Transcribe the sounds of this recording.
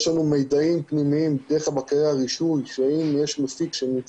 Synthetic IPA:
ʃlanumejd̪aimpnimiimd̪eʁeabakaʁeaʁiʃujʃeimjeʃmasikʃeni

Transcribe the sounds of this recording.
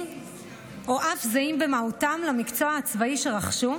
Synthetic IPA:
oʔafzaimbemautamlamikt͡soaːt͡svaiʃe̞ʁaχʃu

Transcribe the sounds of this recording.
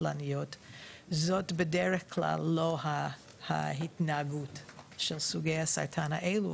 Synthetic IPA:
lanijotzotbedɛʁeχkʰla̰lːoɦa | ha̰ɦitnaːɡutʃɛlsuɡejhasa̰ɾtʰanaʔelu

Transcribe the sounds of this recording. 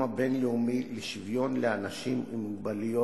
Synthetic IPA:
abe̞nleumileʃivjo̞nleanaʃimumuɡ̚balijo

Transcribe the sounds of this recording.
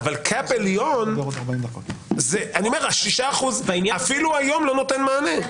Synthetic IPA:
valkʰapeljoneʁod̪aʁbaimd̪ɐkot̪zeaniome̞ʁaʃiʃaːχuzvainjafiluajo̞mlo̞no̞t̪enmaːne

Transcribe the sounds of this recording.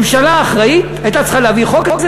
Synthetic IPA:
mʃalaːχʁait̪ | ajt̪at͡sχaleaviχokokz

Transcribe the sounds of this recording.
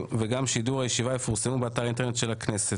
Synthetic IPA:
veɡamʃiduʁajeʃivajefuʁsemubeataʁintenet̪ʃe̞lakne̞se

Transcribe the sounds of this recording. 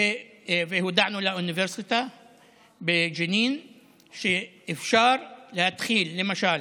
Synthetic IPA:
fɪhud̪aʕnulaʔʊnɪveɾsɪt̪a | bɪʒɪniːn | ʃeʔɪfʃɑːɾˤlɪhad̪xiːlːɪmaʃaːl

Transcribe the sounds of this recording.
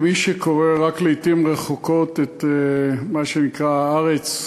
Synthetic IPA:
miʃeko̞ʁeʁakleitimʁeχoko̞tet̪emaʃenikʁaaʁet͡s

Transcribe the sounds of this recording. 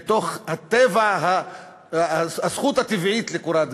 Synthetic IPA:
t̪o̞χhat̪evaɦa | asχut̪hat̪ivʕit̪lekuɾad̪

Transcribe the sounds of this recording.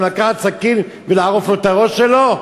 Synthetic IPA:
lakaχat̪sakin | velaaʁoflot̪aʁoʃːelo̞

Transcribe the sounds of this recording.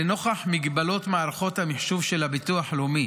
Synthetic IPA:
eno̞χaħmiɡbalo̞t̪maːɾaχo̞t̪hamiħʃuvʃelabit̪uaħalumi

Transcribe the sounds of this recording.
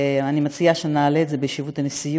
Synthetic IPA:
animat͡siaʃenaːleːtzebeʃivut̪anesij

